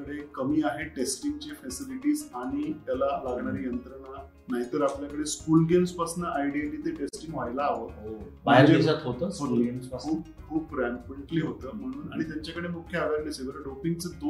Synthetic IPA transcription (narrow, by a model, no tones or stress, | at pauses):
əɽekəmiːaɦeʈesʈiŋɡt͡ɕefɛsiliʈiːzaɽ̃it̪jalalaɡɳaɾijənt̪ɾəna | naɦit̪əɾapljakəɽeskuːlɡemspasnəʔajɖiaʈit̪eʈesʈiŋɡʋajlaːʋət̪aomaəɦeɾd͡ʑeisat̪ɦot̪əːmumauːp̚kʰuːpɾampeɳʈliːɦot̪əːm̤əɽ̃uːnaɽ̃it̪jaɲt͡ɕakəɽemukʰːjəad̪aɾliseʋəɾəɖopiŋɡt͡səd̪o